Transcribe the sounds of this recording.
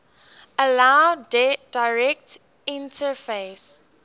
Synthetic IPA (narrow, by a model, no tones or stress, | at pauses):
əlaʊd̥aɪɹɛk̚t | ɪ̃ntʰəfeɪs